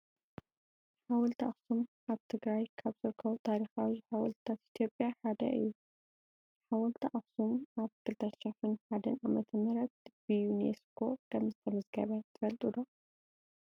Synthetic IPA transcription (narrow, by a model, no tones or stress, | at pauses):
ħawɐlt̪ʰiʔaxsumʔaβt̪ʰɨɡɾajkʰaβzɨɾɨkʰːɐβut̪ʰaɾixawiħawɐlt̪t̪ʰat̪ʔit̪ʰjo̞pʼjaħad̪ɐ̰ʔɨ̰jːu | ħawɐlt̪ʰiʔaxsumaβkʰɨlt̪ʰɐʃɛħɨnħad̪ɐnʔamɐt̪ʰɐmɐɾɐt̪̚b̥ɨjunḛskʰo̞kʰɐmzɨt̪ʰɐmɐzɡɐβɐt̪ʰɨfɐlt̪ʼud̪o